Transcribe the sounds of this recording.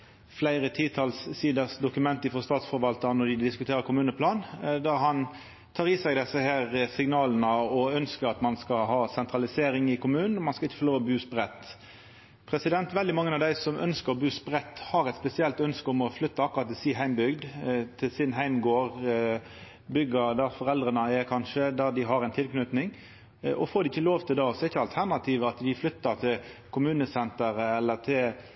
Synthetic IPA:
flæɪɾət̪ʰiːt̪ʰɑlssiːd̪əɾsd̪ʊkʉmɛnt̪əɪfɔst̪ɑːt̪sfɔɾʋɑlt̪ənɔd̪ɪd̪ɪskʉt̪ʰeːɾəɾkʊmʉːnəpʰlɑːnd̪æɦɑn | t̪ʰɑːɾʁiːsɛɡd̪ɛsːəhæːʁsɪŋnɑːln̩əɔœnskəɾɑt̪mɑnskɑɦɑːsɛnt̪ʁɑlɪseːɾɪŋɪkʊmʉːnn̩ɔmɑnskɑɪçːə̥fɔloːbʉːspʁɛt̪ː | pʰɾɛsɪd̪ɛnt̪ʋɛld̪ɪmɑŋːənɑʋd̪æɪsɔmʔœ̰nskəʁbʉːspʁɛt̪ːhɑɾɛt̪spɛsɪɛlt̪œnskəʊmɔflʏt̪ːɑɑkʊɾɑt̪ːɪsiːɦæɪmbʏɡd̪t̪ʰɪlsɪnɦæɪmɡoːɾ | bʏɡəd̪æɾfɔɾɛld̪ɾənəɛkʰɑnʃəd̪æd̪ɪɦɑɾɛɪnt̪ʰɪlknʉt̪nɪŋ | ʔɔfoːɾd̪ɪɪçːəloːʋt̪ʰɪld̪ɑsɔɛɪçəɑlt̪ʰæʁnɑt̪ʰiːʋəɑt̪d̪ɪflʏt̪ːəɾt̪ʰɪlkʰʊmʉːnəsɛnt̪əɾəɛlːət̪ʰɪl

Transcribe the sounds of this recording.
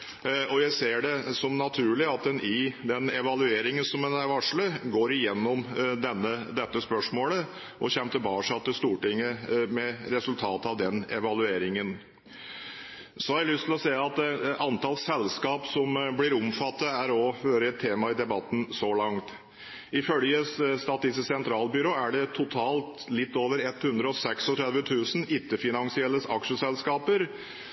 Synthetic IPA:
ɔjæɪseːɖɛsɔmnɑt̪ʰʉːɭɪɑt̪̚d̪ɛnʔɪd̪ɛnɛʋɑlʉeːɾɪŋənsɔmɛnæɾʋɑʂɭəɡoːɾɪjɛnːɔmd̪ɛnːəd̪ɛt̪ːəspœʂmoːlə | ʔɔ̰çɛnt̪əbɑːʂɑt̪ːəst̪uːʈɪŋːəmɛɾɛsʉlt̪ʰɑːt̪əɑʋd̪ɛnɛʋɑlʉeːɾɪŋən | sɔhɑɾɛlʏst̪ʰɪlɔsɛɪəɑt̪ɑnt̪ʰɑlsɛlskɑːpsɔmblɪɾʊmfɑt̪ːɑæɾɔhøːɾəɛt̪ʰːeːmɑɪd̪ɛbɑt̪ːn̩sɔlɑŋt̪ | ɪfœljəsst̪ɑːt̪ːɪsəsɛnt̪ʰɾɑːlbʏɾoːæɖɛt̪ʰʊt̪ʰɑːlt̪lɪt̪ːoːʋəɾɛt̪hʉnd̪ɾəɔsɛksɔt̪ʰɾɛd̪ʋət̪ʰʉːsn̩ɪt̪ːəfɪnɑŋsɪɛlːəsɑkʂəsɛlskɑːpəɾ

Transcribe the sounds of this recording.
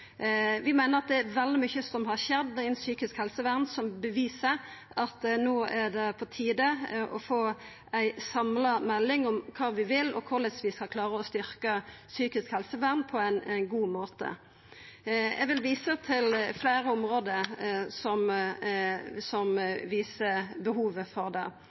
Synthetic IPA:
ʋɪmæɪnəɾɑt̪̚d̪ɛːɾʋɛld̪ɪmʏçəsɔmɦɑɾçɛd̪ːɪnsyːkɪskhɛlsəʋæʁnsɔmbəʋiːsə | ɑt̪noːæɖ̪ɛpʰɔt̪ʰiːd̪əʔɔfoː | æɪsɑmləmɛlːɪŋɔmkʰɑːʋɪʋɪlːɔ̰kʰʊɾlɛsʋɪskɑlkʰlɑːɾəɔst̪ʏɾkəsyːkɪskhɛlsəʋæʁnpʰɔæɪnnɡuːmoːt̪ə̰ | ɛʋɪlʋiːsət̪ʰɪlfleːɾəʊmʁoːd̪əɾsɔm | sɔmʋiːsəbəɦuːʋəfɔʁd̪ɛ̰

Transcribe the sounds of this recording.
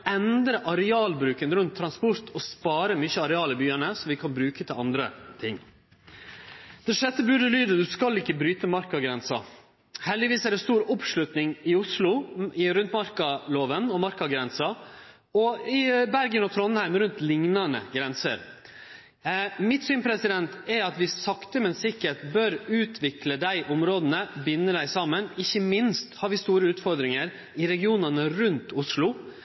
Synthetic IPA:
ɛnd̪ɾəʔɑɾɛɑːlbɾʉːkənɾʉnt̪ʰːɾɑnspʊɾt̪ʰɔspɑːɾəmyçəɑɾɛɑːlɪbyːənəsɔmʋɪkʰɑnbɾʉːkət̪ʰɪlɑnd̪ɾə̰t̪ʰɪŋː | d̪̥ɛʂɛt̪ːəbʉɖ̪əlyːd̪əd̪ʉskɑlɪkːəbɾyːt̪əmɑɾkɑɡɾɛnsɑ | hɛld̪ɪʋiːsɛɖɛst̪uːɾɔpʂlʉt̪nɪŋɪʊslʊɪɾʉnt̪mɑɾkɑloːʋənɔmɑɾkɑɡɾɛnsɑ | ɔɪbæɾɡənɔt̪ʰɾɔnhæɪmɾʉnt̪lɪŋnɑnə̰ɡɾɛnsə̰ɾ | mɪt̪syːnpʰɾɛsɪd̪ɛnt̪ɛɾɑt̪ʋɪsɑkt̪əmɛnsɪkəʈ̪bœɾʉːt̪ʰʋɪkləd̪æɪʔɔmɾoːd̪ən̩əbɪnːəd̪æɪsɑmːənɪçːəmɪnst̪hɑɾʋɪst̪uːɾəʉːt̪fɔɾd̪ɾɪŋəɾ | ɪɾɛɡɪuːnɑnəɾʉnt̪ʊslʊ

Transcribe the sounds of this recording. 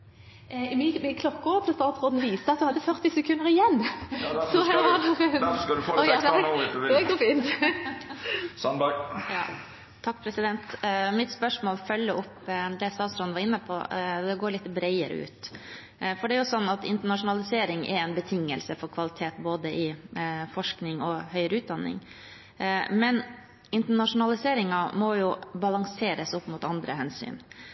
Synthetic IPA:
mɪmɪkʰlɔkːɔʋt̪ʰɪlst̪ɑːt̪sɾoːd̪n̩ʋiːst̪əɑt̪̚d̪ʉhɑd̪ːəfœɾt̪ɪsɛkʰʉnəɾɪjɛnːsɔɛɑd̪d̪ɔ | ɛd̪uːfiːnt̪ | sɔnjɑ̰ː | t̪ʰɑkːpʰɾɛsɪd̪ɛnt̪mɪt̪spœʂmoːlfœlːəʊpːd̪ɛst̪ɑːt̪sɾoːd̪nʋɑɾɪnːəpʰɔ̰d̪ɛɡoːɾɭɪt̪ːəbɾɛɪəɾə̰ʉ̰ːt̪ | fɔɖɛæɾjʊsɔnːɑt̪ɪ̰nt̪əɳɑʂʊnɑlɪseːɾɪŋʔɛ̰ɾɛɪnbət̪ʰɪŋːəlsəfɔɾkʰʋɑlɪt̪ʰeːt̪boːd̪əʔɪfɔʂknɪŋɔhœʏɾəʉːt̪̚d̪ɑnːɪ̰ŋ | mɛn | ɪnt̪əɳɑʂʊnɑlɪseːɾɪŋɑmɔjʊbɑlɑŋseːɾəsʊpːmʊt̪ɑnd̪ɾəɦɛnsy̰ːn

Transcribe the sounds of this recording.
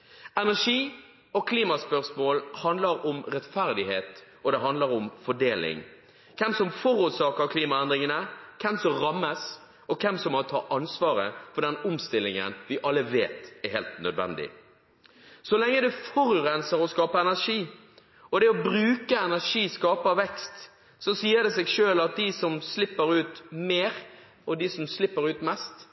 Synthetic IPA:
ɛnæʂiː | ɔkʰliːmɑspœʁsmoːlhɑnd̪ləɾʊmɾɛt̪fæɾd̪ɪheːt̪ | ɔd̪ɛɦɑnd̪ləɾʊmfɔɖeːlɪ̰ŋ | kʰɛmsɔmfɔɾʊsɑːkəkʰliːmɑɛnd̪ɾɪŋənəkʰɛmsɔmɾɑmːəs | ɔkʰɛmsɔmːɔt̪ʰɑ̰ːʔɑnsʋɑːɾə̰fɔɖ̪ɛnʊmst̪ɪlːɪŋə̰nʋɪʔɑlːəʋeːt̪ɛɾheːlt̪nœ̰d̪ʋɛ̰nd̪ɪ̰ | sɔlɛŋːəd̪ʉfɔɾʉɾɛnsəɾɔskɑːpəɛnæʂiː | ɔd̪ɛɔbɾʉːkəɛnæʂiːskɑːpəʋɛkst̪ | sɔsiːəɾd̪ɛseːɡʂøːlɑt̪̚d̪ɪsɔmslɪpːəɾʉːt̪meːɾ | ɔd̪ɪsɔmslɪpːəɾʉːt̪mɛst̪

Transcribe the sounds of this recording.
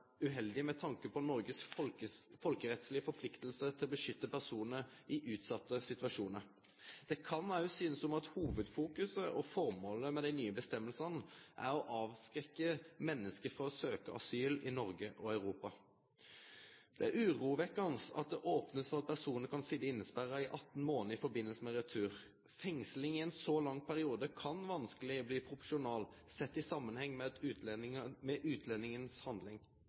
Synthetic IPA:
ʉɦɛld̪ɪmɛt̪ʰɑŋkəpɔnɔɾɡəs | fɔlkəɾɛt̪slɪəfɔpʰlɪkt̪əl̩sət̪ʰɪlɔbəʂʏt̪ːəpʰæʁsuːnnəɪʔʉːt̪sɑt̪ːəsɪt̪ʋɑʂuːnəɾ | d̪̥ɛkʰɑnɑʉsyːnəsɔmɑt̪huːʋəd̪fuːkʉsəʔɔfɔɾmoːləmɛd̪æɪnyːəbəst̪ɛmːəlsɑnʔæ̰ɾɔʔɑːʋskɾɛkːəmɛnːəskəfʁɔɔsøːkəʔɑ̰syːlɪnɔɾɡəʔɔɑʉɾuːpɑ | d̪̥ɛæɾʉːʁuːʋɛkːɑnsɑ̰t̪̚d̪ɛʔɔːpnəsfɔʁɑt̪̚pʰæʁsuːnəkʰɑnsid̪əɪnːəspæɾɑɪʔɑt̪ːn̩moːnəɪfɔɾbɪnːəlsəmɛʁɛt̪ʰʉːʁ | fɛŋslɪŋɪɛnsɔlɑŋːpʰæɾɪuːd̪əkʰɑnʋɑnskəlɪɔbliːpʰɾʊfɔʂʊnɑːlsɛt̪ːɪsɑmːənhɛŋːmɛd̪ʉːmɛʔʉːt̪ʰlɛnːɪŋənshɑnd̪lɪŋ

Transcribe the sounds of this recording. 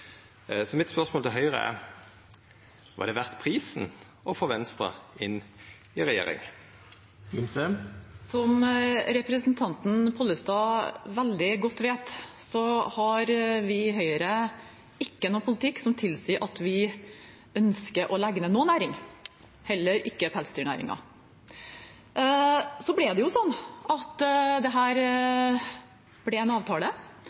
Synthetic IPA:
sɔmɪt̪spœʁsmoːlt̪ɪlɦœʏʁə̰ɛ̰ | ʋɑ̰d̪ɛʋæʁt̪pʰʁiːsn | ɔfoːʋɛnst̪ʁə̰ɪn | ɪʁɛjḛːɾɪ̰ŋ | ɪmsəsɔmɾɛpɾəsənt̪ʰɑnt̪n̩pʰʊlːəst̪ɑːʋæld̪ɪɡɔt̪ːʋeːt̪sɔhɑɾʋɪɦœʏəɾə | ɪkːənoːpʰʊlɪt̪ʰɪkːsɔmt̪ʰɪlsiːəʔɑt̪ʋɪ | œnskəɾʔɔlæɡnənoːnæːɾɪŋ | hɛlːəɾɪkːəpʰɛlsə̥t̪yːɳæ̰ːɾɪ̰ŋɑ̰ | sɔblɪd̪ɛjʊsɔnːɑt̪d̪ɛɦæːɾ | b̥lɛæɪnɑːʋt̪ʰɑːlə

